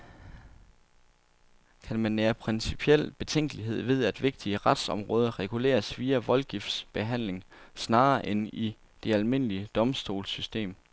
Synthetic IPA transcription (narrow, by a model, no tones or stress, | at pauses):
kʰænmænːeːɐpʰʁɛnsipʰiel̰b̥e̝t͡sʰeŋ̰ɡ̥əliɦe̝ð̞̰ˠʋe̝ð̞̰ˠæd̥ʋe̝ɡ̥̚d̥iəʁad̥sɒ̽mʁɔːð̞ˠɐʁɛɡ̥ule̝̰ːɐsʋiːæʋɒ̽lɡ̥ifd̥sb̥e̝ɦæn̰le̝ŋsnɑ̈ːɐʔeni | d̥e̝ælme̝n̰əliəd̥ɒ̽msd̥o̝̰ːlsysd̥e̝̰ːm